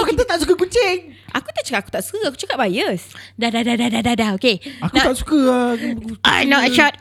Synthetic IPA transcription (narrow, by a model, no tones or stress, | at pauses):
okant̪ət̪aʔsukəkunt͡ʃɪŋʔakut̪aʔt͡ʃəkaaku̥t̪aʔsu̥kəaku̥t͡ʃakap̚bajəsdadadadadadadaokeakut̪aʔsu̥kə | a̰jnɔtəʃat̚